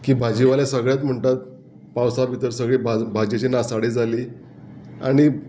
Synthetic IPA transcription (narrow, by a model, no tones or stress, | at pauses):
kiːbʱad͡ʑiʋalesəɡɭjat̪m̤əɳt̪at̪̚ | pawsabʱit̪əɾsəɡɭibabʱad͡ʑet͡ɕinasaɽed͡zaliː | a̰ɽ̃i